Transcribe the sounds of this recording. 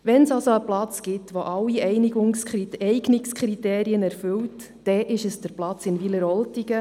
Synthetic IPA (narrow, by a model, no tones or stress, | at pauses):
ʋɛnsɑlsoəplɑt͡sɡ̥ɪtʋoʔɑlːiɛjniɡʊŋskiɛjɡnɪkskχɾiteːɾiənɛɾfʏlt | d̥ɛʔɪʃəsd̥əɾplɑt͡sɪnviləɾɔltiɡə